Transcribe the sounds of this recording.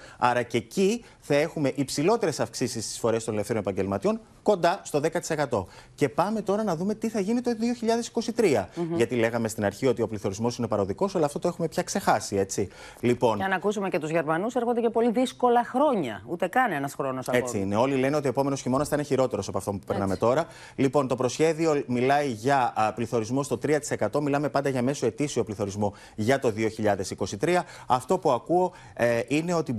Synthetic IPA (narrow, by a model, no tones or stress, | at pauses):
ɐɾɐce̞ci | θɐe̞xume̞ʔipsilo̞t̪e̞ɾe̞sɐfksisist̪i̥sfo̞ɾe̞st̪o̞nelefθeɾonepɐɲɟe̞lmɐt̪io̞ŋ | ko̞nd̪ɐst̪o̞ðe̞kɐt̪i̥se̞kɐt̪o̞ce̞pɐme̞t̪o̞ɾɐnɐðume̞t̪iθɐʝinit̪o̞ðioçiʎɐðe̞si̥ko̞sit̪ɾiɐʝɐt̪ile̞ɣɐme̞st̪inɐɾçio̞t̪io̞pliθo̞ɾizmo̞sine̞pɐɾo̞ðiko̞sɐlɐːft̪ot̪oe̞xume̞pçɐkse̞xɐsie̞t͡si | lipo̞nɐnɐkusumecet̪uzʝe̞ɾmɐnuseɾxo̞nd̪ecepo̞liðisko̞lɐxɾo̞ɲɐ̰ut̪e̞kɐnenɐsxɾo̞nosɐe̞t͡siineo̞lile̞nio̞t̪ioe̞po̞me̞no̞sçimo̞nɐsɐine̞çiɾo̞t̪e̞ɾo̞sɐpoɐft̪o̞mpupeɾnɐme̞t̪o̞ɾɐ | lipo̞nt̪o̞pɾo̞sçe̞ðio̞milɐiʝɐpliθo̞ɾizmo̞st̪ot̪ɾiɐt̪i̥se̞kɐt̪o̞milɐme̞pɐnd̪ɐʝɐme̞soe̞t̪isio̞pliθo̞ɾizmo̞ | ʝɐt̪o̞ðio̞çiʎɐðe̞siko̞sit̪ɾiɐ | ɐft̪o̞puɐkuo̞ | ʔine̞o̞t̪i